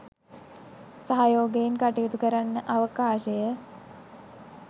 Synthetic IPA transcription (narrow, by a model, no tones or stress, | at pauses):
saɦajoːɡeinkaʈijut̪ukəɾanːəʔaʋəkaːʃəjə